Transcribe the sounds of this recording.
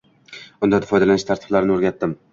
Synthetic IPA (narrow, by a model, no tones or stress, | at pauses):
ʊnd̪ad̪afɒjd̪alanɪʃt̪ʰaɾt̪ʰɪblaɾɪnɪoɾɡʲat̪ːɪm